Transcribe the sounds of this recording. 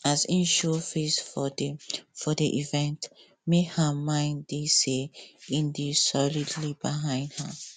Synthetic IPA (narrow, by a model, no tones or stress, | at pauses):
azĩnʃɔfesfɔdfɔdiʔivɛ̃nt | mehamãɪ̃ndiseĩndisɔlidlibiɦãɪ̃ndha